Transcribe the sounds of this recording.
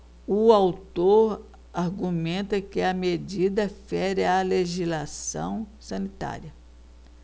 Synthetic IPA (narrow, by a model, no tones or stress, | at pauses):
ʊawt̪oɾ | aɾɡumẽnt̪ɐkɪɐmed͡ʒid̪ɐfɛɾɪaleʒizlasɐ̰̃w̃sɐ̃nit̪a̰ɾiɐ